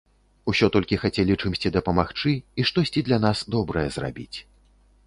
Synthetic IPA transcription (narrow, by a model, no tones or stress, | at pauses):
usʲɔt̪ɔlʲkʲixat͡sʲɛlʲit͡ʂɨmsʲt͡sʲid̪ɐpɐmaxt͡ʂɨiʂt̪ɔsʲt͡sʲid̪lʲanasd̪ɔbɾɐjɛzra̰bʲit͡sʲ